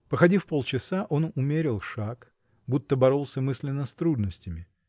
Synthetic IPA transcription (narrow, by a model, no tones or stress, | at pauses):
pəxɐdʲifpo̞lˠt͡ɕɪsaʔo̞nʊmʲeɾʲɪlˠʂak | but̪ːəbɐɾo̞lˠsʲəmɨsʲlʲɪnːəst̪ɾud̪nəsʲtʲɪmʲɪ